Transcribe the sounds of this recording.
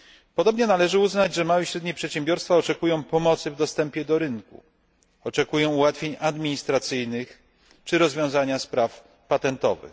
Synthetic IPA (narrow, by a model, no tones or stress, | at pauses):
pɔd̪ɔbɲɛnalɛʐɘuznad͡ʑʐɛmawɛɕɾɛd̪ɲɛpʂɛt̪ɕɛ̃mbʲjɔɾst̪faɔt͡ʂɛkujɔ̃w̃pɔmɔt̪sɘvd̪ɔst̪ɛmpʲjɛd̪ɔɾɘnkṵ | ɔt͡ʂɛkujɔ̃w̃uwat̪fʲjeɲad̪mʲiɲist̪ɾat̪sɘjnɘx | t͡ʂɘɾɔzvʲjɔ̃w̃zaɲaspɾaf | pat̪ɛnt̪ɔ̰vɘ̰x